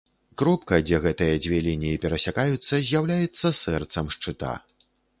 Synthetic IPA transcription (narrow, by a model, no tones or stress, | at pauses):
kɾɔpkɐd͡zʲɛɣɛt̪ɨjɐd͡zʲvʲɛlʲinʲijipʲɛɾɐsʲakajut̪sːɐzʲjawlʲajɛt̪sːɐsɛrt̪sɐmʂt͡ʂɨt̪a̰